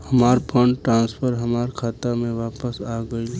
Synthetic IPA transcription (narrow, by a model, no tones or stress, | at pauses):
həmaːɾpʰə̃ɳɖʈɾãːnspʰəɾɦəmaːɾkʰaːt̪amẽʋaːpəsaːɡəi